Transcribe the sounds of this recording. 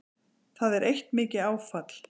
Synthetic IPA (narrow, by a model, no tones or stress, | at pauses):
θaðɛɾʔejht̪mɪːcɪaːwfat̪l̥